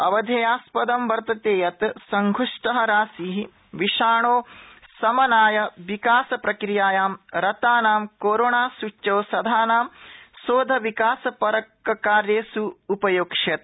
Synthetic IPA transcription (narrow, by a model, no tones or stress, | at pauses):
ɐʋɐd̪ʱɐjaːspɐd̪ɐmʋɐɾt̪ɐt̪eːjɐt̪sɐŋɡʱuʂʈɐɦɐɾaːsiɦi | ʋiʃaːɳoːsɐmɐnaːjɐʋikaːsɐpɾɐkɾɪjaːjaːmɾɐt̪aːnaːmkoːɾoːɳaːsut͡ʃːɐːsɐd̪ʱaːnaːmsoːd̪ʱɐʋikaːsɐpɐɾɐkːɐkaːɾjeːsuːpɐjoːkʂɐt̪̚